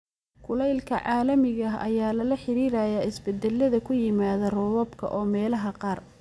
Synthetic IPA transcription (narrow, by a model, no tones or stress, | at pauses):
kʰʊlɛjlkʰɐʕɑːlɐmɪɣɐɦɐ̰jaːlɐlɐħɪɾiːɾɐːjaːɪsbɛd̪ɛlːɐðɐkʰʊjɪmaːðɐrɔwɔːbkʰɐ̰ʔɔːmɛːlɐɦɐqɑːr